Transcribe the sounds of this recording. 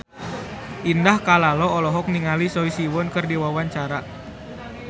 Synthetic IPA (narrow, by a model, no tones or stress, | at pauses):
ʔindahkalalɔɔlɔɦɔk̚niŋalisɔisiwɔnkərdiwawaɲt͡ʃaɾa